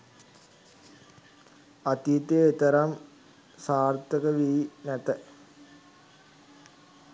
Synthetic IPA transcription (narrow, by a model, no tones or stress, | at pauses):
at̪it̪eet̪ɐɾam | saːrt̪əkəʋiinæt̪ə